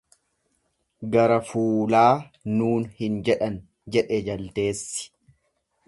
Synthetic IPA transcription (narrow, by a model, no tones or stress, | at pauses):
ɡɐɾɐfuːlaːnuːnhɪnd͡ʒɛᶑɐn | d͡ʒɛᶑɛd͡ʒɐlt̪e̞ːsːɪ̥